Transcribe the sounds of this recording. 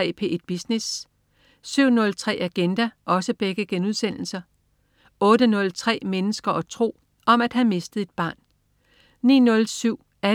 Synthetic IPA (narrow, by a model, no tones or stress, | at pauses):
ɛ̰ːpʰe̝ʔed̥̚b̥isnes | syʊ̰nɔ̽lt͡sʰʁɛ̰ːʔæɡ̥end̥æʔɒ̽səb̥eɡ̥əɡ̥enuðˠsen̰l̩sɐ | ɔ̽ːɾənɔ̽lt͡sʰʁɛ̰ːmenəsɡ̥ɐʔɒ̽t͡sʰʁo̝̰ː | ɒ̽mæd̥ɦæme̝sd̥ð̩ˠe̝d̥̚b̥ɑ̈ːn | nḭːnɔ̽lsyʊ̰ | æ